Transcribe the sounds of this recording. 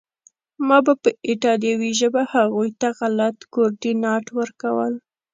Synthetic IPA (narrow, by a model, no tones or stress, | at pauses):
mɑbapəʔɪʈɑd̪jawiʒəbahaɣujt̪aɣalat̪koɾdinɑʈwəɾkawəl